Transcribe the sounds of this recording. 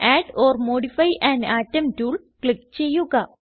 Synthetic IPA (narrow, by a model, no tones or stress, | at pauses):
ʔaːɖoːrmoːɖifɐjʔãnɖaːtːɐmtuːl | klikt͡ɕejːuɡɐ